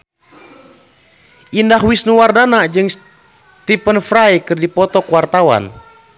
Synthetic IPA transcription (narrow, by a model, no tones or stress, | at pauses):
ʔindaɦwisnuwardanad͡ʒɨŋs | t̪ipənfɾajkɨrdipɔt̪ɔkuwart̪awa̰n